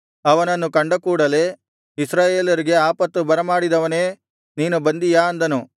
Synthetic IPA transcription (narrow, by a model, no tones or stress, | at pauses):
ɐʋɐnɐnːukɐɳɖɐkuːɽɐle̞ː | isɾaːje̞ːlɐɾiɡe̞aːpɐt̪ːubɐɾɐmaːɽid̪ɐʋɐne̞ː | niːnubɐnd̪ijaːɐnd̪ɐnu